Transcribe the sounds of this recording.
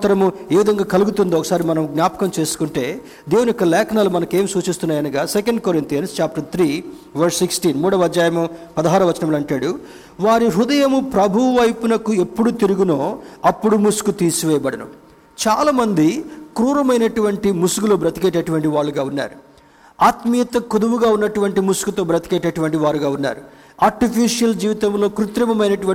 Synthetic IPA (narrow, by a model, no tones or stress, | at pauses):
t̪ɐɾɐmueːʋid̪ʱɐŋɡaːkɐluɡut̪und̪iɔkɐ̥saːɾimɐnɐmɡnʲaːpɐ̥kɐmt͡ʃe̞ːsu̥kuɳʈe̞ː | d̪eːʋuniikːɐlɛːkʰɐnaːlumɐnɐke̞ːmsuːt͡ʃist̪unːaːjɐnɐɡaːsekɐɳɖ̚koɾint̪ijɐnst͡ʃaːp̚ʈɐt̪ʰɾiː | ʋɐɾsːiksʈiːnmuːɽɐʋɐd͡ʒaːjɐmɐpɐd̪ɐɦaːɾɐʋɐt͡ʃɐnɐmlɐɳʈaːɽu | ʋaːɾiɦud̪ɐjɐmupɾɐbʱuʋɐʋɐjpunɐkue̞pːuɽut̪iɾuɡunoːɐpːuɽumusu̥kut̪iːsuʋɛːjɐbɐɽɐnṵ | t͡ʃaːlaːmɐnd̪ikɾuːɾɐmɐjnɐʈuʋɐɳʈimusuɡuloːbɾɐt̪i̥kɛːʈɐʈuʋɐɳʈiʋaːɭːuɡaːunːa̰ːɾu | aːt̪mijɐt̪ɐkud̪ɐʋuɡaːunːɐʈuʋɐɳʈimusu̥kut̪o̞ːbɾɐt̪ikɛːʈɐʈuʋɐɳʈiʋaːɾuɡaːunːa̰ːɾu | aːɾʈipʰiːʂijɐld͡ʒiːʋit̪ɐmlo̞ːkɾut̪ɾɐmɐmɐjnɐʈuʋɐ